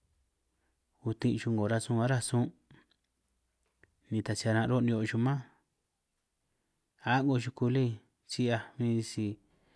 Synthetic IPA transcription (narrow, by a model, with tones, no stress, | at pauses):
u˧t̪ĩ˧ʃu˧ŋɡo˨ɾa˧sũ˧a˦ɾa˦˧sũ˦ | nĩ˧˨t̪a˨si˧a˧ɾã˧ɾo˦˧nĩ˧o˧ʃu˧mã˦ | a˦ŋɡo˧ʃu˧ku˧li˦ | t͡ʃi˧˦a˧mĩ˧si˧